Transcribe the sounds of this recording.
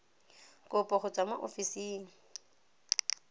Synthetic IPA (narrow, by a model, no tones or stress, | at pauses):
kʼʊpʼɔχʊt͡sʼamaʔofisiːŋ̩